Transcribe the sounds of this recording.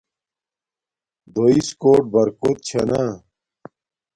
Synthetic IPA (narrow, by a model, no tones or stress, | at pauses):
d̪oiskoːʈ̚bɐɾkot̪̚t͡ɕʰɐna